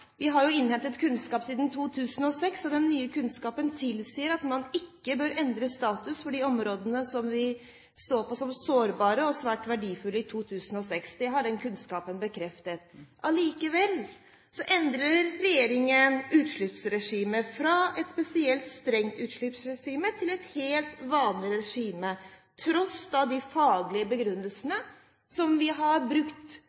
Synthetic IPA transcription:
ʋɪɦɑɾjʊɪnhɛnt̪ət̪kʰʉnskɑːpsiːd̪nt̪ʰuːt̪ʰʉːsənɔsɛksɔd̪ɛnːyːəkʰʉnskɑːpənt̪ʰɪlsiːəɾɑt̪mɑnɪkːəbøːɾɛnd̪ɾəst̪ɑːt̪ʉsfɔɖɪɔmɾoːd̪ənəsɔmʋɪ | soːpɔsɔmsoːɾbɑːɾəɔsʋæːʈʋæɖiːfʉlːəɪt̪ʰuːt̪ʰʉːsənɔsɛksd̪ɛɦɑɖɛnkʰʉnskɑːpənbəkʰɾɛft̪ət̪ʔɑliːkəʋɛlː | sɔʔɛnd̪ɾəɾɾɛjeːɾɪŋənʉːt̪ʂɭʏpsɾɛʂiːməfɾɑɛt̪spɛsɪɛlt̪st̪ɾɛŋt̪ʉːt̪ʂɭʏpsɾɛʂiːmət̪ʰɪlɛt̪heːlt̪ʋɑːnlɪɾɛʂiːmət̪ʰɾɔsd̪ɑd̪ɪfɑːɡlɪəbəɡɾʉnːəlsənə | sɔmʋɪɦɑɾbɾʉkt̪

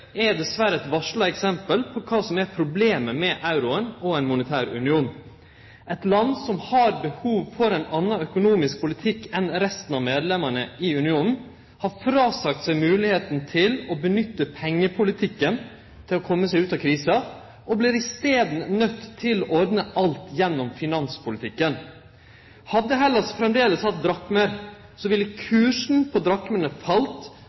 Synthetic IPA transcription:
ɛd̪ɛsʋæɾəɛt̪ʋɑʂlɑɛksɛmpəlpʰɔkʰɑːsɔmæpʰɾʊbleːməmɛʔaʉɾʊənɔæɪnmʊnət̪ʰæːɾʉ̰nɪuːn | ɛt̪lɑnd̪sɔmhɑːɾbəhuːʋfɔɾɛɪnɑnːɑœkʊnuːmɪsk̚pʰʊlɪt̪ʰɪkːɛnɾɛst̪n̩ɑʋmeːd̪lɛmɑɳəɪʉnɪuːnn̩ | hɑɾfɾɑːsɑk̚t̪sæɪmʉːlɪheːt̪n̩t̪ʰɪlɔbənʏt̪ːəpʰɛŋːəpʰʊlɪt̪ʰɪkːən | t̪ʰɪlɔkʰɔmːəsæɪʉːt̪ɑkʰɾiːsɑ | ʔɔblɪɾɪst̪eːd̪n̩nœt̪ʰːɪlɔʔɔɾd̪nəʔɑlt̪jɛnːɔmfɪnɑnspʊlɪt̪ʰɪkːən | hɑd̪ːəɦɛlːɑsfɾɛmd̪eːləshɑt̪̚d̪ɾɑkməɾ | sɔʋɪlːəkʰʉːʂn̩pʰɔd̪ɾɑkməɳəfɑlt̪

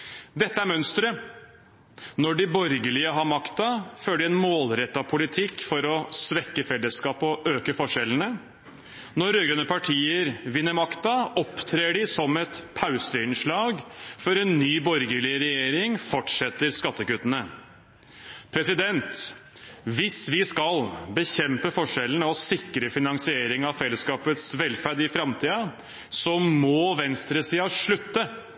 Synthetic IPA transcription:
d̪ɛt̪ːəæɾmœnst̪ɾə | nɔɖɪbɔɾɡəlɪəɔɦɑːmɑkt̪ɑføːɖɪɛnmoːlɾɛt̪ːɑpʰʊlɪt̪ʰɪkːfɔɾɔsʋɛkːəfɛlːəskɑːpɔʔøːkəfɔʂɛlən̩ə | nɔɾːøɡɾənəpʰɑʈʰiːəɾʋɪnːəɾmɑkt̪ɑɔpt̪ʰɾeːɖɪsɔmɛt̪pʰaʉsəɪnʂɭɑːɡfɔɾɛnːyːbɔɾɡəɭɪɾɛjeːɾɪŋfɔʈʂɛt̪ːəɾskɑt̪ːəkʉt̪ːənə | pʰɾɛsɪd̪ɛnt̪ | ʋɪsʋɪskɑlbəçɛmpəfɔʂɛlənɔsɪkːɾəfɪnɑŋsɪeːɾɪŋɑʋfɛlːəskɑːpət̪sʋɛlfæɖɪfɾɑmt̪ʰiːɑ | sɔmɔːʋɛnst̪ɾəsiːɑʂɭʉt̪ːə

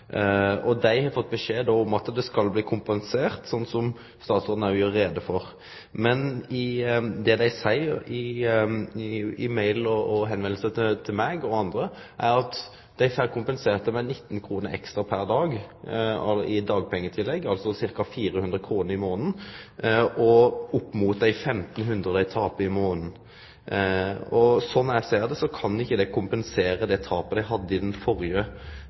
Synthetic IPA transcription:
ɔd̪æɪhɑfɔt̪̚ːbəʃeːd̪ɔʊmɑt̪d̪ɛskɑlbliːkʰʊmpənseːɾt̪sɔnːsɔm | st̪ɑːt̪sɔːɾd̪n̩ɑʉjœɾːeːd̪əfɔʁ | mɛnɪd̪ɛd̪æɪsæɪəɾɪ | ɪɪmæɪlɔɔɦɛnʋɛnl̩sət̪t̪ʰɪlmɛɡɔɑnd̪ɾə | ʔæɾɑt̪ | d̪̥æɪsæɾkʰʊmpɛnseːʁt̪əmɛnɪt̪ːn̩kʰɾuːnəɾɛ̰kst̪ɾɑpʰæɾd̪ɑːɡ | ɑɪd̪ɑːɡ̚pʰɛŋːət̪ʰɪlːɛɡːɑlsɔsɪɾkɑfiːɾəhʉnd̪ɾəkʰɾuːnəɾɪmoːnn̩ | ɔʊpːmuːt̪d̪æɪfɛmt̪n̩ɦʉnd̪ɾəd̪æɪt̪ʰɑːpəɪmoːnn̩ | ɔsɔnːæseːʁd̪ɛsɔkʰɑnɪçːəd̪ækʰʊmpənseːɾəd̪ɛt̪ʰɑːpəd̪æɪɦɑd̪ːəɪd̪nfɔɾjə

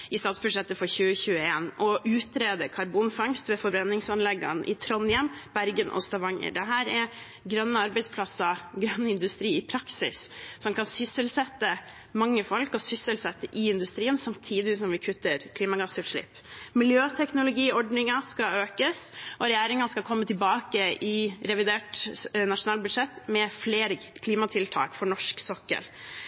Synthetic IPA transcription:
ɪst̪ɑːt̪sbʉʂɛt̪ːəfɔɾçʉːəçʉːəeːnɔʔʉːt̪ɾeːd̪əkʰɑɾbuːnfɑŋst̪ʋɛfɔɾbɾɛnːɪŋsɑnlɛɡːɑ̰nʔɪ̰t̪ʰɾɔnjɛmb̥æɾɡənʔɔ̰st̪ɑʋɑŋə̰ɖɛɦæːɾɛɾ | ɡɾœnːəɑɾbɛɪspʰlɑsɑɡɾœnːɪnd̪ʉst̪ɾiːɪpʰɾɑksɪ̰ssɔmkʰɑnsʏsəlsɛt̪ːə | mɑŋːəfɔlkɔsʏsəlsɛt̪ːəʔɪɪnd̪ʉst̪ɾiːənsɑmt̪ʰiːd̪ɪsɔmʋɪkʰʉt̪ːəɾkʰliːmɑɡɑsəʂɭɪ̰pː | mɪljøːt̪ʰɛknʊlʊɡiːɔɖɳɪŋɑskɑøːkəsʔɔɾɛjæːɾɪŋɑskɑkʰɔmːət̪ʰɪlbɑːkəʔɪɾɛʋɪd̪eːʈnɑʂʊnɑːlbʉd̪ʂɛt̪ːmɛfleːɾəkʰliːmɑt̪ʰɪlt̪ʰɑ̰ːkfɔɳɔʂksɔkːə̰l

